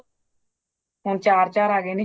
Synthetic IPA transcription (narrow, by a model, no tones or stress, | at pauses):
ɦʊnt͡ʃaːɾt͡ʃaːɾaːɡeːni